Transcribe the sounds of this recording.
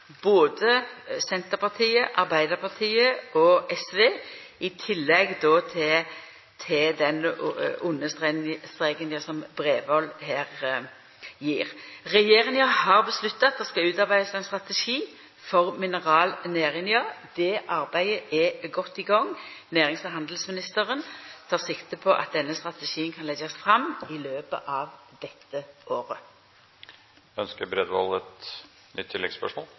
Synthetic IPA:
b̥oːd̪əsɛnt̪əʁpʰɑʁt̪ʰiːəʔɑʁbæɪd̪əɾpʰɑʁt̪ʰiːəʔɔʔɛsʋeː | ɪt̪ʰɪlːɛɡd̪ɔːt̪ʰ | t̪ʰɪd̪ɛnʊnːəst̪st̪ʁeːɡənjɑsɔmbʁeːʋɔlːheːʁ | jiːʁʁɛjeːʁɪnjɑhɑʁbəslʉt̪ːɑt̪̚d̪ɛskɑʉːt̪ɑʁbæɪd̪sɛnst̪ʁɑt̪əʃiː | fɔʁmɪnəʁɑːlneːʁɪnjɑd̪ɛʔɑʁbæɪəʔɛɡɔt̪ːiːɡɑŋːnæːʁɪŋsəɦɑnd̪l̩smɪnɪst̪əʁənt̪ʰɑːʁsɪkt̪əpʰɔʔɑ̰t̪̚d̪ɛnːəst̪ʁɑt̪əʃiːənkʰɑnlɛɡɑsfʁɑmɪløːbə̰ʔɑʋd̪̥ɛt̪ːəʔoːʁə | œnskəɾbɾɛd̪ʋɔ̰lɛt̪ | nʏ̰t̪ʰːɪlɛ̰ɡspœ̰ʂmo̰ːl

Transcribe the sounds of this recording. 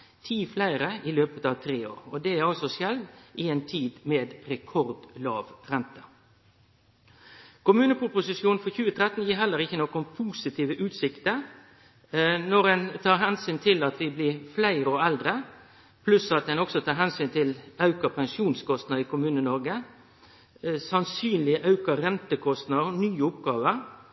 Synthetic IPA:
t̪ʰiːflæɪɾəɪløːpət̪ɑʋt̪ʰɾeːo̰ːɾɔd̪ɛæɾɑlsɔsjɛlʋɪɛɪnt̪ʰiːd̪meːd̪ɾɛkʰɔɾd̪lɑːʋɾɛnt̪ə | kʊmʉːnəpʊpʊsɪsjuːn̩fɔçʉːət̪ʰɾɛt̪n̩jiːɾɦɛlːəɾɪçːənɔkʊmpʰuːsɪt̪ʰiːʋəʔʉːt̪sɪkt̪ə | nɔɾɛnt̪ʰɑːɾɦɛnsyːnt̪ʰɪlɑt̪ʋɪblɪːʁflæɪɾəɔɛld̪ɾə | pʰlʉsɑt̪̚d̪ɛnɔksɔt̪ʰɑːɾɦɛnsyːnt̪ʰɪlɑʉkəpʰɛŋsuːnskʰɔst̪nɑd̪iːkʰʊmʉːnənɔɾɡə | sɑnsyːnlɪʔɑʉkəɾɛnt̪əkʰɔst̪nɑnyːəʊpɡɑːʋəɾ

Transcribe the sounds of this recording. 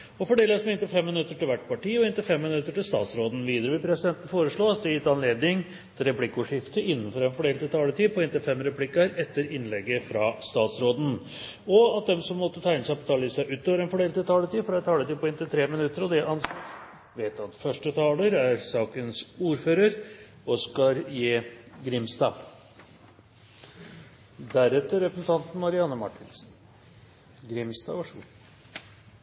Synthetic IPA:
ɔfɔɖeːlsmɛɪnt̪ɪlfɛmːɪnʉt̪ːəʈɪlʋæʈːpɑʈiːɔɪnt̪ɪfɛmːɪnʉt̪ːəʈɪlst̪ɑ̰ːt̪sɾoːd̪n̩ʋiːd̪əɾəʋɪlpʰɾɛsɪd̪ɛnt̪n̩foːɾəʂɭoːɑt̪̚d̪ɛjɪt̪ːɑnleːd̪nɪŋ | t̪ʰɾɛpʰlɪkːʊʂɪft̪əʔɪnːənfɔɾɛnfɔɖeːlt̪ʰɪlt̪ʰɑːləʈiːpʰɔɛnt̪ɪlfɛmːɾɛpʰlɪkːɑɾɛt̪ːəɾɪnlɛɡːəfɾɑst̪ɑːt̪sɾoːd̪n̩ | ɔɑt̪̚d̪ɛmsɔmːɔt̪ːət̪ʰæɪnəsæɪpʰɔt̪ʰɑːlɪsæɪʔʉːt̪ːoːʋəɾɛnfɔɖeːlt̪ɪt̪ʰɑːlət̪iːfɔɾɛt̪ʰɑːlət̪iːpʰɔɪnt̪ɪlt̪ʰɾeːmɪnʉt̪ːəɾɔd̪ɛʔɑn | ʋeːt̪ɑt̪fœʂʈət̪ʰɑːləɾæɾsɑːkənsuːɾføːɾəɾ | ɔskɑɾjeːɡɾɪmst̪ɑː | d̪æɾɛt̪ːəɾɛpɾəsən̩t̪ʰɑnt̪n̩mɑɾɪɑnːəmɑʈːɪnsn̩ | ɡɾɪmst̪ɑ̰ːʋɑʂə

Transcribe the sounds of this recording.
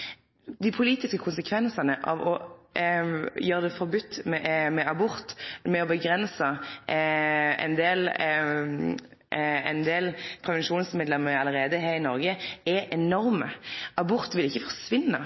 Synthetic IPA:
d̪ɪpʰʊliːt̪ɪskəkʰʊnsəkʰʋɛnsənəʔɑ̰ʋɔ | jøːɾəd̪ɛfɔɾbʉt̪ːmɛmɛʔɑbʊɾt̪mɛɔbəɡɾɛnsə | ɛ̰ɪnd̪eːl | ɛɪnd̪eːlpʰɾɛʋɛnʃuːnsmeːd̪lɛmːəɑləɾeːd̪əɦeːɾɪnɔɾɡəɛʔɛnɔɾməɑbʊɾt̪ʋɪlɪçːəfɔʁsʋɪnːə

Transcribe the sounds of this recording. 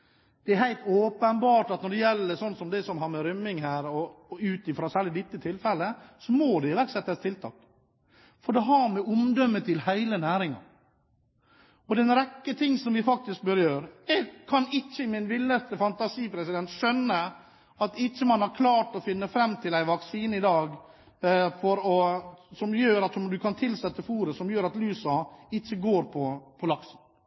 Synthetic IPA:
d̪̥ɛæɾhæɪlt̪oːpənbɑːʈɑt̪nɔɖɛjɛlːəsɔnːsɔmd̪ɛsɔmhɑɾmɛɾʏmːɪŋɦæːɾɔʉːt̪ɪfɾɑːsæːɭɪd̪ɪt̪ːət̪ʰɪlfɛlːəsɔmod̪ɛɪʋæɾksɛt̪ːəst̪ʰɪlt̪ʰɑ̰ːk | fɔɖɛɦɑɾmɛʊmd̪œmːət̪ʰɪlhæɪlənæːɾɪŋɑ̰ | ɔd̪ɛnɾɛkːət̪ʰɪŋːsɔmʋɪfɑk̚t̪ɪsk̚bøːɾəjøːɾɛːɡkʰɑnɪt͡ʃːəmɪnʋɪlːəst̪əfɑnt̪ɑsiːpʰɾɛsɪd̪ɛnt̪ʂœnːə | ɑt̪ɪt͡ʃːəmɑnhɑɾkʰlɑːʈɔfɪnːəfɾɛmːt̪ʰɪlæɪʋɑksiːnɪd̪ɑːɡ | fɔɾɔsɔmjøːɾɑt̪ɔmd̪ʉkʰɑnt̪ʰɪlsɛt̪ːəfuːɾəsɔmjøːɾɑt̪lyːsɑɪt͡ʃːəɡoːɾpʰɔpʰɔlɑksn

